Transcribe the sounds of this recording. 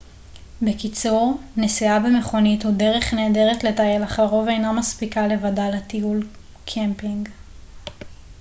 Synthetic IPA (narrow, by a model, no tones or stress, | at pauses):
bekit͡suʁnesiabeme̞χo̞nithude̞ʁeχne̞ːde̞ʁetle̞tajelaχaʁo̞vejnamaspikale̞vadaletiul | kʰempiŋɡ